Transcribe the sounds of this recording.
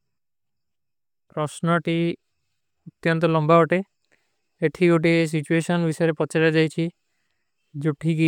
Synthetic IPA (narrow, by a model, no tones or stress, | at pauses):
pɾɔsnɔʈi | ot̪jɔnt̪̬ɔlɔmbaoʈe | eʈʰioʈ̬is̬it͡ɕueʃɔnbiʃɔɾepɔaɾed͡ʑajt͡ɕʰi | d͡ʑuʈʰːiki